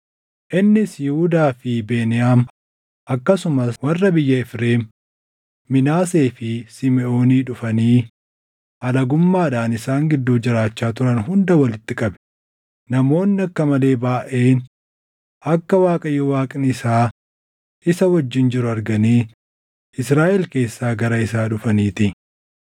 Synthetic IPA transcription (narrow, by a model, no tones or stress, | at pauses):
ʔɪnːɪsjɪhʊd̪aːfɪbe̞ːnɪjaːm | ʔɐkːɐsʊmɐswɐrːɐbɪjːɐɪfɾe̞ːm | mɪnaːse̞ːfɪsɪmɛʔo̞ːniːᶑʊfɐniː | ɐlɐɡʊmːaːᶑaːnɪsaːŋɡɪd̪ːuːd͡ʒɪɾaːt͡ʃːaːt̪ʊɾɐnɦʊnd̪ɐwɐlɪt̪ːɪkʼɐbɛ̥ | nɐmo̞ːnːɪɐkːɐmɐle̞ːbaːʔe̞ːn | ʔɐkːɐwaːkʼɐjːowaːkʼɪnɪsaː | ʔɪsɐwɐd͡ʒːɪnd͡ʒɪɾʊɐɾɡɐniː | ɪsɾaːʔɛlke̞ːsːaːɡɐɾɐɪsaːᶑʊfɐniːt̪ɪ